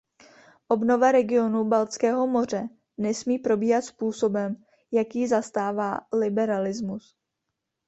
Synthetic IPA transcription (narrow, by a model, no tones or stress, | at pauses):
ʔo̞bno̞vaɾɛɡɪo̞nubalt͡skɛːɦo̞mo̞r̝ɛ | nɛsmiːpɾo̞biːɦat̪spuːso̞bɛm | jakjizast̪aːvaːlɪbɛɾalɪzmus